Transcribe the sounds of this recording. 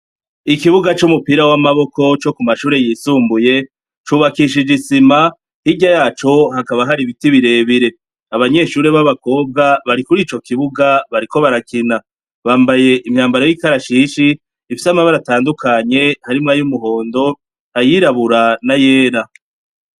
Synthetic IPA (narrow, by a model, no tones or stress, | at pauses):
ikiβuɡat͡ʃumupiɾawamaβo̞ko̞t͡ʃo̞kumaʃuːɾe̞jiːsuːmbuje̞ | t͡ʃuːβakiʃ̬id͡ʒisima | hiɟajaːt͡ʃo̞ɦakaβaɦaɾiβitiβiɾe̞βiɾe̞ | aβaɲe̞ʃuːɾe̞βaβako̞ːb̚ɡaβaɾikuɾiːt͡ʃo̞kiβuɡaβaɾiko̞βaɾakina | βaːmbaje̞ʔimɲaːmbaɾo̞jikaɾaʃiːʃiː | fisamaβaɾataːndukʰaɲe̞haɾimŋajumuɦo̞ːndo̞ | ajiɾaβuɾanaje̞ːɾa